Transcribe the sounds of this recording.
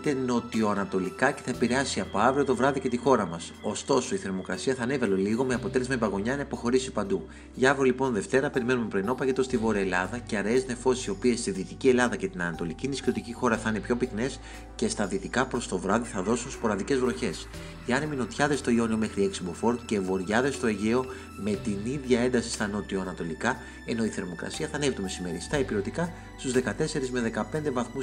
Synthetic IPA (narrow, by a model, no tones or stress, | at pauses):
t̪eno̞t̪io̞ɐnɐt̪o̞likɐce̞̥θɐepiɾe̞ɐsiɐpo̞ɐvɾio̞t̪o̞vɾɐðice̞t̪ixo̞ɾɐmɐso̞st̪o̞so̞iθe̞ɾmo̞kɾɐsiɐθɐːne̞vɐloliɣo̞meɐpo̞t̪ele̞zmɐibɐɣo̞ɲɐenɐipo̞xo̞ɾisipɐnd̪u | ʝɐvɾolipo̞nðe̞ft̪e̞ɾɐpe̞ɾime̞numepɾeno̞pɐʝe̞t̪o̞st̪ivo̞ɾeelɐðɐceɐɾeezne̞fo̞si̥sio̞pie̞st̪iðiːt̪icie̞lɐðɐce̞t̪inɐnɐt̪o̞licinisciot̪icixo̞ɾɐθɐine̞pço̞pikne̞s | ce̞st̪ɐðiːt̪ikɐpɾo̞st̪o̞vɾɐðiθɐðo̞sunspo̞ɾɐðice̞zvɾo̞çe̞s | eɐnemino̞t̪çɐðe̞st̪o̞io̞nio̞me̞xɾieksibo̞fo̞ɾt̪ce̞vo̞ɾʝɐðe̞st̪o̞eʝe̞o̞ | me̞t̪iniðʝɐend̪ɐsi̥st̪ɐno̞t̪ioɐnɐt̪o̞likɐ | e̞no̞iθe̞ɾmo̞kɾɐ̰siɐθɐnevit̪umesime̞ɾist̪ɐepiɾo̞t̪ikɐ | st̪uzðe̞kɐt̪e̞se̞ɾizme̞ðe̞kɐpe̞nd̪e̞vɐθmu